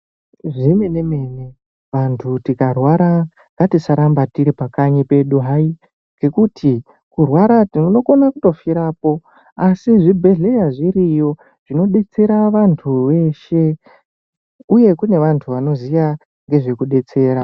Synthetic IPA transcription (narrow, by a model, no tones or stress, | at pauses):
ʐinenemene | ʋantʰutikarwaɾa | ŋɡatisaɾambatiɾipakaɲipe̞ɗuɦai | ŋɡe̞kutʰi | kurwaɾatiuno̞ko̞nakuto̞fiɾaːpo̞ | asiʐibʱe̞ɮe̞jaʐiɾijo̞ | ʐ̥ino̞ɗe̞t͡se̞ɾaʋantʰuʋe̞ʃe̞ | uje̞kune̞ʋantʰuʋano̞zija | ŋɡe̞ʐe̞kuɗe̞t͡se̞ːɾa